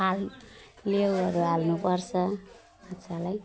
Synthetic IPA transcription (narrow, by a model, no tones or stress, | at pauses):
allewʌɾualnupʌɾt͡sʰʌ | atːsʰalaj